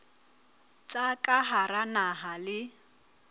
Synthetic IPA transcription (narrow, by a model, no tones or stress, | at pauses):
t͡ʃʼakʼaɦaɾanaɦalɪ